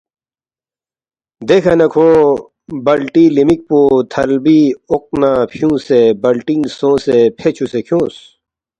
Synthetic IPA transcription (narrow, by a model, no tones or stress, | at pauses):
d̪eːkʰanɐkʰõː | bɐlʈiːlimik̚poːt̪ʰɐlbiok̚napʰjũːsebɐlʈĩŋsõːsepʰeːt͡ɕʰusekʰjõːs